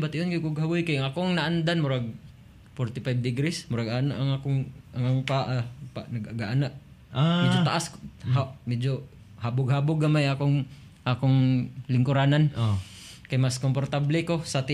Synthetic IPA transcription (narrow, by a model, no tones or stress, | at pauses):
bat̪ɪʔonkɪkʊɡɦawʊjkajaŋakoŋnaʔand̪anmʊɾaɡ̚ | fɔɾt̪ɪpajb̚d̪ɪɡɾɪsmʊɾaɡanaʔaŋakʊŋʔaŋaŋpaʔapanaɡaɡaʔanaʔ | amɛd͡ʒot̪aʔashamɛd͡ʒo | habʊɡhabʊɡamajakoŋ | ʔakoŋlɪŋkʊɾanano | kajmaskomport̪ablɛkosat̪ɪ